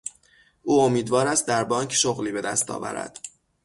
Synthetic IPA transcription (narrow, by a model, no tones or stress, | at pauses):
ʔuːomiːd̪vɒːɾæst̪̚d̪æɾbɒːŋcʰʃoɣliːbe̞d̪æst̪ɒ̰ːvæ̰ɾæ̰d̪̥